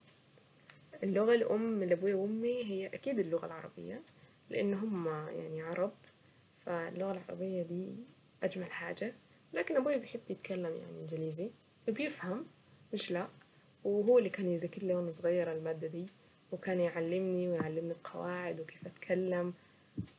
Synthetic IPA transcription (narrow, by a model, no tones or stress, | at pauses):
ʔɪlːʊɣalʔʊmːlʔabuːjaʔʊmːiɦɪjːaʔakiːd̪ɪlːʊɣa̰lʕɑɾˤɑ̰bɪ̰jːa | lɪʔɪnːɦʊmːaja̰ʕniʕɑɾˤɑb̚ | fa̰lːʊɣalʕɑ̰ɾˤɑ̰bɪjːad̪iː | ʔad͡ʒmalħaːd͡ʒa | laːkɪnʔabuːjbjħɪbːjɪt̪kalːamja̰ʕniʔnd͡ʒɪliːzi | wɪbjɪfham | mɪʃla | wɦuwːalːikaːnjɪzakːɪɾljonsˤɣɑjːɑɾˤɪlmaːd̪ːad̪iː | wɪkaːnjʕalːɪmniwɪjʕalːɪmnilqʰɑ̰waːʕɪd̪wkeːfʔat̪kʰalːam